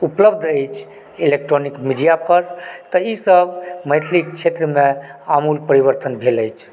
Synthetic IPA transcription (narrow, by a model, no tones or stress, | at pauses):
upləbd̪ʱəjt͡ʃʰ | ilek̚ʈɾonikmiɖijapʰəɾt̪əisəbʱməjt̪ʰlikt͡ʃʰet̪ɾəmeamulpəɾiβəɾt̪ənbʱeləjt͡ʃʰ